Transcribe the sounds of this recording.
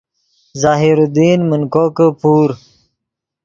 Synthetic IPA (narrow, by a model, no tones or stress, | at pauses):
zaːɦiɾud̪iːnmunkoːkəpuːɾ